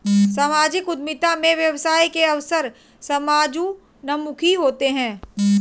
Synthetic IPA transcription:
saːmaːd͡ʒɪkʊd̪̚mɪt̪amẽʋjɐʋsaːikeɐʋsəɾ | sɐmaːd͡ʒu | nɐmʊkʰiɦoːt̪eɦɛ̃ː

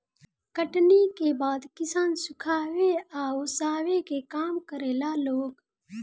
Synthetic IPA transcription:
kəʈnikebaːd̪kɪsaːnsʊkʰaːweaːosaːwekekaːmkəɾeːlaːloːɡ

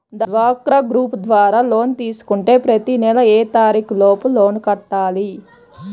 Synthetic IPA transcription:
d̪ʋaːkɾɐɡɾuːpd̪ʋaːɾaːlo̞ːnt̪iːsu̥kuɳʈe̞ːpɾɐt̪inɛlɐeːt̪aːɾiːklo̞ːpuloːnkɐʈːaːli

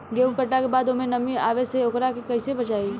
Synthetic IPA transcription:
ɡeũmkəʈakebaːd̪omẽnɐmĩaːʋeseokɾakekɐɪsebət͡ʃaːiː

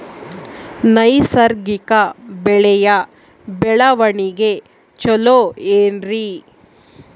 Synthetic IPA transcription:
nɐjsɐɾɡikɐbɛɭɛjɐ | bɛɭɐʋɐɳiɡe | t͡ʃɔloeːnɾi

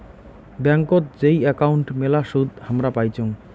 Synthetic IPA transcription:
bɛŋkot̪d͡ʑejɛkauɳʈmelaʃud̪hamɾapajt͡ɕʰoŋ

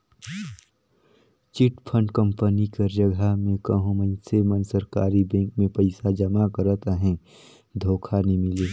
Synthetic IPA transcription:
t͡ʃɪʈpʰəɳɖkə̃mpənikəɾd͡ʒəɡʱamẽkəɦũmə̃semənsəɾkaːɾibɛ̃ːŋkmẽpəɪsad͡ʒəmakəɾət̪əɦɛ̃ | d̪ʱoːkʰanimɪleː

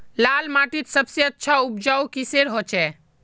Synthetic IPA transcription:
lalmaʈit̪səbseətːʃʰaup̚d͡ʒaukiseɾɦot͡ʃɛ

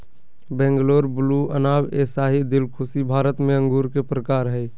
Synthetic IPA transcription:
bɛ̃ːŋɡloːɾbʊluə̰naːweːsaːɦid̪ɪlkʰʊsibʱaːɾət̪mẽə̃ŋɡuːɾkepɾəkaːɾɦɛː

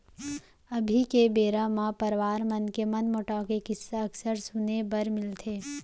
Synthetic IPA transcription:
ɐbʱikebeːɾamãpɐɾʋaːɾmɐnkemɐnmoːʈaːkekɪsaɐksəɾsʊnebɐɾmɪlt̪ʰeː

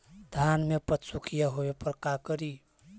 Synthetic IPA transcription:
d̪ʱanmepət̪sukʰijaɦoepəɾkakəɾi

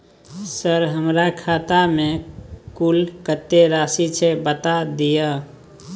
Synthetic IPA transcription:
səɾɦəmɾakʰat̪amekulkət̪ːeɾasit͡ʃʰɛbət̪ad̪ijə

